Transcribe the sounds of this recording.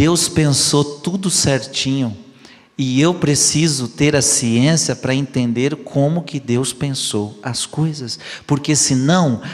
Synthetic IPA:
ewspẽsot̪ud̪ʊsɛɾt͡ʃĩɲʊ | ɪewpɾesizʊt̪eɾɐsiẽsiɐpɾɐẽnt̪ẽnd̪eɾkʰõmʊkɪd̪ewspẽsowɐskojzɐspoɾkesɪnɐ̃w̃

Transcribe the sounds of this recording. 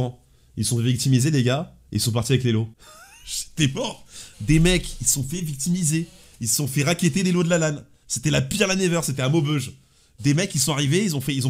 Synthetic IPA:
ɑ̃ | ilsɔ̃fɛvik̚t̪imizeleɡa | eḭlsɔ̃paʁt̪iavɛk̬lelo | ʒ̥e̥t̪ɛpɔd̪emɛkissɔ̃fɛvik̚t̪imize | ilssɔ̃fɛʁakʲet̪ed̪elod̪əlalan | set̪ɛlapiʁlanɛvœʁset̪ɛãmobøʒ | d̪emɛkilsɔ̃aʁiveilzɔ̃fɛilzɔ̃

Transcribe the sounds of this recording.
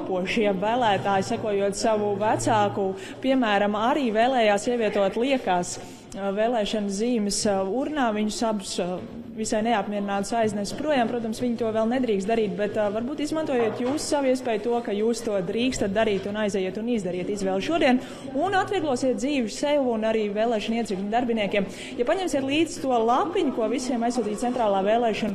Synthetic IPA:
puɔʃjabvæːlˠæːt̪aːjsækuɔjuɔt̪saʋuvæt̪saːku | piɛmæːɾamaɾiːveːlˠɛːjaːsiɛʋiɛt̪uɔt̪lˠiɛkaːs | vɛːlˠɛːʃansziːməsuɾnaːviɲʊsabus | visajnɛapmʲiɛɾɪnaːt̪sajznɛspɾuɔjaːmpɾuɔt̪amsʋʲiɲt̪uɔʋɛlˠnɛd̪ɾiːkst̪d̪aɾiːt̪̚bɛt̪vaɾbuːt̪izmant̪uɔjeɛːt̪juːssaʋiɛs̬pɛːjt̪uɔkajuːst̪uɔd̪ɾiːkst̪at̪̚d̪aɾiːt̪unajzɛjiɛt̪unizd̪ɐɾiɛt̪izʋɛːlˠʃuɔd̪iɛn | unat̪ʋiɛɡlˠuɔsiɛt̪̚d̪ziːʋɪsɛwunaɾiːvɛːlˠɛːʃɐniɛɾiklʲɲʲd̪aɾbiniɛkʲiɛm | japaɲɛmsiɛt̪lˠiːz̥t̪uɔlˠapːiɲukuɔvisiɛmajsːuːt̪iːt̪sɛnt̪ɾaːlˠaːvɛːlˠɛːʃɔn

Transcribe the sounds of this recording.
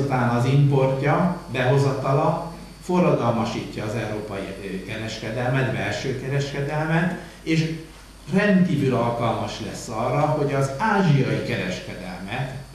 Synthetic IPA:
t̪aːnɒzimpo̞rcɒbɛɦo̞zɒt̪ɒlɒn | fo̞rːɒd̪ɒlmɒʃiːcːɒːzɛuɾoːpɒjikɛɾɛʃkɛd̪ɛlmɛt̪bɛlʃøːkɛɾɛʃkɛd̪ɛlmɛt̪ | eːʃ | rɛnt̪kiːvylɒlkɒlmɒʃlɛ̰sːɒrːɒho̞ɟɒzaːʒijɒjikɛɾɛʃkɛd̪ɛ̰lmɛt̪

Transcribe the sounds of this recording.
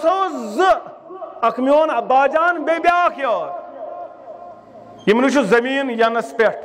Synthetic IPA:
sowzɨ | ɐkʰmjoːnɐbaːd͡ʒaːnbebʲjaːkʰjoːɾ | jimniʃ̬uzɐmiːnjɐnɐspeʈ

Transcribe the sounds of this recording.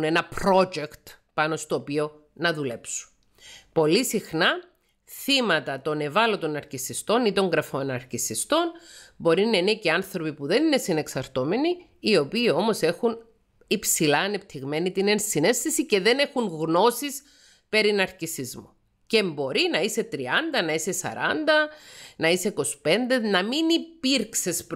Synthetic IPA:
ne̞nɐpɾo̞d͡ʒekt̪ | pɐno̞st̪oːpio̞ | nɐðule̞psu̥n | po̞lisixnɐ | θimɐt̪ɐt̪o̞ne̞vɐlot̪o̞nɐɾcisist̪o̞nit̪o̞ŋɡɾɐfonɐɾcisist̪o̞nbo̞ɾinɐineceɐnθɾo̞pipuðe̞ninesine̞ksɐɾt̪o̞me̞niː | o̞piːo̞mo̞se̞xun | ipsilɐːne̞p̚t̪ʰiɣme̞nit̪inensine̞st̪isice̞ðe̞ne̞xunɣno̞sis | pe̞ɾinɐɾcisizmu | ce̞mbo̞ɾinɐise̞t̪ɾiɐnd̪ɐnɐisesɐ̰ɾɐ̰nd̪ɐnɐiseiko̞spe̞nd̪e̞nɐminipiɾksesp

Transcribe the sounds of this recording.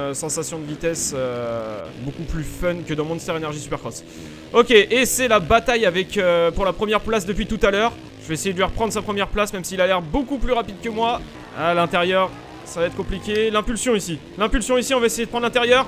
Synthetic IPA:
sɑ̃sasjɔ̃d̪əvit̪ɛsø | bokuplyfœnkəd̪ɑ̃mɔ̃nst̪ɔʁenɛʁʒisy̥pɛʁkɔs | ɔkʲeʔesɛlabat̪ajavɛkøpuʁlapχəmjɛʁplasd̪əpɥit̪ut̪alœːʁ | ʒ̥əvɛesejed̪lɥiʁəpχɑ̃d̪ʁəsapχəmjɛʁplasmɛmsiːlalɛʁbokuplyʁapid̪kəmwa | alɛ̃t̪eʁjœʁ | savaɛt̪χəkɔ̃plikʲelɛ̃pylsjɔ̃isi | lɛ̃pylsjɔ̃isiɔ̃vaesejed̪əpχɑ̃d̪lɛ̃t̪eʁjœːʁ

